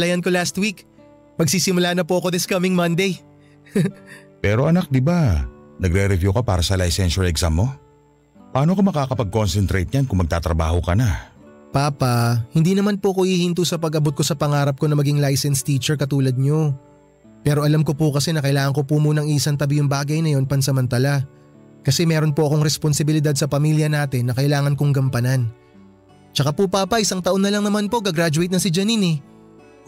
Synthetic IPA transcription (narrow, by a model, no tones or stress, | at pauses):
lɐjɐnko̞last̪wik | mɐɡsiːsɪmʊlaːnɐpoʔɐko̞d̪ɪskɐmɪŋmɐnd̪ej | pɛːɾo̞ʔɐnak̚d̪ɪbanɐɡɾɛɾɛvjukɐpa̰ːɾɐsɐlajsɛnʃɐɹɛksamːo̞ | pɐʔaːnokɐmɐkaːkɐpɐɡ̚konsɛnt̪ɾejt̪̚ɲankʊŋmɐɡ̚t̪aːt̪ɾɐba̰ːhokɐna | paːpɐhɪnd̪iːnɐmanpoʔɐkoʔihint̪usɐpɐɡʔɐbot̪̚ko̞sɐpɐŋaːɾɐp̚ko̞nɐmɐɡiŋlajsɛnst̪iːt͡ʃɛɹkɐt̪uːlɐd̪̚ɲo̞ | pɛːɾo̞ʔɐlamko̞pokɐsɛnɐkɐʔɪlaːŋɐŋko̞pumuːnɐŋiʔsɐnt̪ɐbijʊŋbaːɡɐjnɐjo̞npɐnsɐmɐnt̪ɐla | kɐsɛmɛːɾo̞npoʔɐko̞ŋɾɛsponsɪbɪlɪd̪ad̪̚sɐpɐmiːljɐnaːt̪ɪnːɐkɐʔɪlaːŋɐnkoŋɡɐmpɐnan | t͡ʃɐkapopaːpɐʔɪsaŋt̪ɐʔo̞nːɐlɐŋnɐmanpo̞ɡɐɡɾad͡ʒʊɐjt̪nɐsɪd͡ʒɐnini